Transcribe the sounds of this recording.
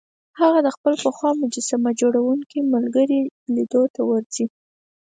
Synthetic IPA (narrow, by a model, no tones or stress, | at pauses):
haɣad̪əxpəlpəxwɑmʊd͡ʒasamad͡ʒoɽawuŋkiməlɡəɾilid̪ot̪awəɾzi